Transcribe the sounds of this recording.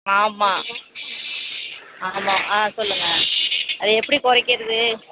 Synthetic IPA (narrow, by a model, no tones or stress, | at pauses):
aːmaː | aːmaːʔaːsɔlːɯŋɡɐɐðɯɛpːɐɽikɔɾɐkːɪɾɐðɯ